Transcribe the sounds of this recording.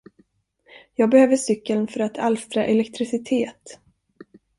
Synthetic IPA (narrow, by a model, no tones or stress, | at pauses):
jɑːɡ̚bɛhøːvəʂʏkːəlnfœɾat̪ʰalst̪ɾaʔɛlɛkt̪ʰɾɪsɪt̪ʰeːt̪